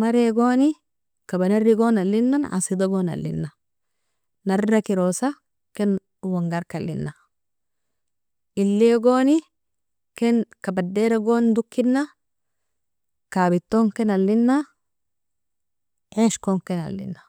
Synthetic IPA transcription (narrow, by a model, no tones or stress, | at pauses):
mɐɾeɡoːnɪ | kɐbɐnɐrːɪɡoːnɐlːɪnːɐnʔa̰sɪd̪ɐɡonɐ̰lːɪ̰nːɐ | nɐrːɐkɪɾoːsɐ | kɛn | wɐŋɡɐɾkɐlːɪ̰nːɐ | ɪlːeːɡoːnɪ | kɛnkɐbɐdːeːɾɐɡoːnd̪ʊkːɪnːɐ | kaːbɪt̪ːoŋkɛnɐlːɪnːɐ | ʔeːʃkoŋkɛnɐ̰lːɪ̰nːɐ